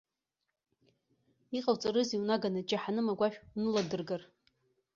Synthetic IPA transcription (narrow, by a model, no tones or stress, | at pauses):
iqʼawt͡sʼarɨziwnaɡanɨd͡ʒʼaħanɨmaɡʷaʃᶣunɨladɨrɡar